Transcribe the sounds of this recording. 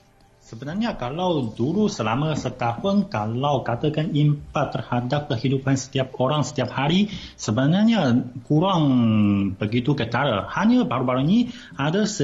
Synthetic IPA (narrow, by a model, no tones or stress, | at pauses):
səbənarɲakalawduɾusəlaməsət̪ahʊnkalawkat̪əkanimpat̪ːərhadap̚kəɦidupansə̥t̪iap̚oɾaŋsə̥t̪iap̚haɾisəbənarɲaɲakuɾaŋbəɡit̪ukət̪aɾahaɲabaɾubaɾuni | adəsə